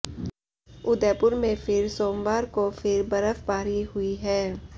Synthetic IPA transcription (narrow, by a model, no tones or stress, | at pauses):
ʊd̪ɛːpʊɾmẽfɪɾsoːmʋaːɾkofɪɾbɐɾəfbaːɾiɦʊiɦɛː